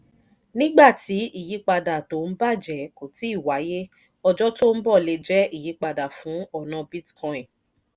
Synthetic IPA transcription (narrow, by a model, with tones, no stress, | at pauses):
nĩ˦ɡ͡ba˦˨ti˨˦i˦˨ji˨˦k͡pa˧da˨to˨˦n̩˦ba˦˨d͡ʒɛ˨ko˨ti˨˦i˦˨wa˨˦je˦ | ɔ˧d͡ʒɔ˦to˦n̩˦bɔ˦˨le˧d͡ʒɛ˦i˦˨ji˨˦k͡pa˧da˨fũ˨˦ɔ˦˨nã˧bi˦tkɔ̃˧ɛ̃˨